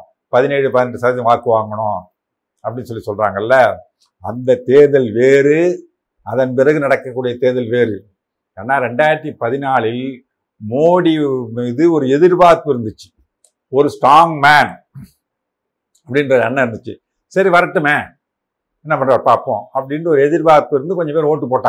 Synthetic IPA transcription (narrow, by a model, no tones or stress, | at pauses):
pɐðɪneːɻɯpɐðɪnɛːɯsɐːɐt̪ːɐ̃ʋaːɾkɯʋaːŋɡɐɳõː | ɐpːɐɽɪnːɯsɔlːisɔlrɾa̰ːŋɡɐlːɐ | ɐnd̪ɐt̪eːðɐlʋeːɾɯ | ɐðɐnpɪɾɐɣɯnɐɽɐkːɐkːuːɽɐjɐt̪eːðɐlʋeːɾɯ | aːnːaːɾɛɳɖaːjɾʈ̪ːipɐðɪnaːɭɪl | moːɽimiːðɯɔɾɯɛðɪɾbaːp̪ːɪɾɯnd̪ɯt͡ʃːɯ̥ | ɔɾɯsʈɾaːŋɡmaːn | ɐpːɐɽɪnrɐɾɛnːɐɪɾɯnd̪ɯt͡ʃːɯ | sɐɾiʋɐɾɐʈːɯmeː | ɛnːɐpɐɳɖraːɾpaːɾpõ̰ːɐpːɐɽɪnɯɔɾɯɛðɪɾbaːt̪ːɯɪɾɯnd̪ɯkɔɲd͡ʒɐ̃mpeːɾoːʈːɯpoːʈːãː